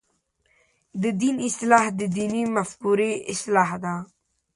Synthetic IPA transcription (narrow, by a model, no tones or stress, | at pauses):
d̪əd̪inɪst̪laːhd̪əd̪iːnimafkuːɾeɪslaːɦd̪aː